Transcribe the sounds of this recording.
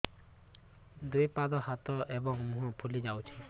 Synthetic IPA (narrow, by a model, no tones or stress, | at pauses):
d̪ujpad̪ɔhat̪ɔʔebɔŋmũɦɔpʰulid͡ʒawt͡ʃʰi